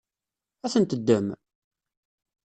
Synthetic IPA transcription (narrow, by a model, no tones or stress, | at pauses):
æθənt̪əd̪ːəm